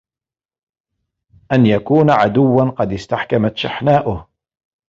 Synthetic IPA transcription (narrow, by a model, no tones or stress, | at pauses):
ʔanjakuːnaʕad̪ʊwːanqɑd̪ɪst̪aħkamat̪ʃa̰ħnaːʔʊh